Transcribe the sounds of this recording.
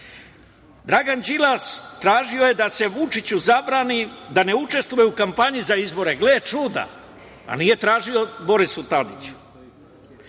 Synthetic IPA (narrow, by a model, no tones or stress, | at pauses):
d̪ɾaɡand͡ʑilast̪ɾaːʒio̞je̞d̪ase̞ʋut͡ʃit͡ɕuzabɾaːnid̪ane̞ut͡ʃe̞st̪ʋujeukampaɲizaizbo̞ɾeɡlet͡ʃud̪a̰ | a̰niːje̞t̪ɾaːʒio̞bo̞ɾisut̪ad̪ḭt͡ɕu̥